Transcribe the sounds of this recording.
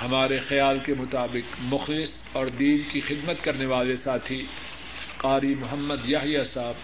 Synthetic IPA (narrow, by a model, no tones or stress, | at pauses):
hɐmaːɾexɐjaːlkemʊt̪aːbɪqmʊxlɪs | ɔːɾd̪iːnkixɪd̪mət̪kɐɾneʋaːlesaːt̪ʰi | qaːɾimʊɦəmːəd̪jaɦjasaːb̚